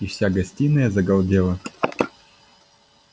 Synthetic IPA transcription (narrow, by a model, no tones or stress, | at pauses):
ifsʲaɡɐsʲtʲinːəjəzəɡɐlˠdʲelˠə